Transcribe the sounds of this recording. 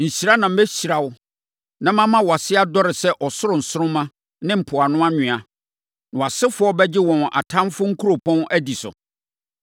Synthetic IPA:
n̩˨ɕi˨ɾa˦nã˨m̩˦bɛ˦ɕi˨ɾa˨wʊ˦ | nã˦mã˦mã˦wɔ˨a˨sɪ˦a˦dɔ˦ɾɪ˨sɛ˦ʔɔ˨sʊ˦ɾʊ˨n̩˨sʊ˦ɾʊ̃˦mã˦ | nɪ̃˦m̩˨pʰʊ˨a˨nʊ̃˦a˦ɲɪ̃˨a˨ | ñ˨a˨sɪ˦fʊ˦ɔ˦bɛ˦d͡ʑɪ˦wɔ̃˨na̰˨tʰã˦mfʊ˦ŋ̩˦kʰu˦ɾo˨pʰɔ̃˦næ˦di˨sʊ̰˨

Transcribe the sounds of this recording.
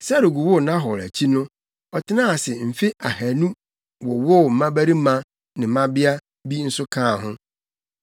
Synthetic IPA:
sa˦ɾo˨ɡu˨wʊ˦˨nã˦ɦɔ˨ɾæ̰˨t͡ɕʰi˦nʊ̃˦ | ɔ˨tʰɪ˦nã˦a˨sɪ˨m̩˨fi˦ʔa˨hæ˨nũ˦ | wɔ˨wɔ˦˨m̩˨mã˦bæ˦ɾi˦mã˦ | nɪ̃˨m̩˨mã˦bɪ˦a˦ | bi˦n̩˦sʊ˦kʰãː˦˨ɦʊ̃˦

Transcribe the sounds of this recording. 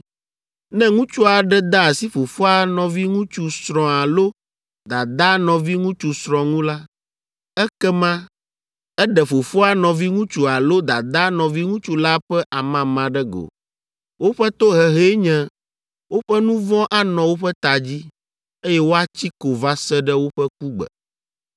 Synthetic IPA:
nɛ̃˦ŋũ˦t͡ʃu˦a˨ɖɛ˦d̪a˦˨si˦fo˨fo˦a˨nɔ̃˨vi˦ŋũ˦t͡ʃu˦sɾɔ̃˨a˨lo˦ | d̪a˨d̪a˦nɔ̃˨vi˦ŋũ˦t͡ʃu˨sɾ̃ɔ̃˨ŋũ˦la˦ | ɛ˦kɛ˦mã˦ | ɛ˦ɖɛ˨fo˨fo˦a˦nɔ̃˨vi˦ŋũ˦t͡ʃu˨a˨lo˦d̪a˨d̪a˦nɔ̃˨vi˦ŋũ˦t͡ʃu˦la˦ɸɛ˦ʔa˨mã˦mã˨ɖɛ˦ɡo̰˨ | wo˦ɸɛ˦t̪o˦ɦɛ˨ɦe˦ɲɛ̃˦ | wo˦ɸɛ˦nũ˦vɔ̃˦ʔa˦nɔ̃˨wo˦ɸɛ˦t̪a˨d͡ʑi˦ | e˦jɛ˦wo˦a˦t͡ɕi˦ko˨va˦sɛ˦ɖɛ˦wo˦ɸɛ˦k̚u˦ɡ͡bɛ̰˨

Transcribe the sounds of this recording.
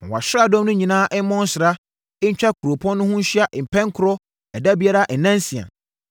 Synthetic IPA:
a̰˨ɕᶣɾa˦dɔ̃˦mnʊ̃˦ɲĩ˨nãː˦ʔɛ˦mɔ̃˦n˦sɪ˨ɾa˦ | ɛ˦ɲ̩˦t͡ɕᶣa˦kʰu˨ɾo˨pʰɔ̃˦nʊ̃˦hʊ̃˦ɲ̩˦ɕi˦a˦ʔm̩˨pʰɛ̃˦ŋ˦kʰʊ˦ɾɔ˦ | ɛ˨da˦bi˦a˦ɾa˦ʔn̩˨nã˦n˦si˨a̰˨

